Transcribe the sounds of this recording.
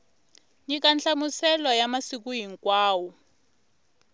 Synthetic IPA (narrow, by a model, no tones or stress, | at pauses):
jik̬ant͡ɬamusɛlɔjamasik̬ujiŋkwaːwɔ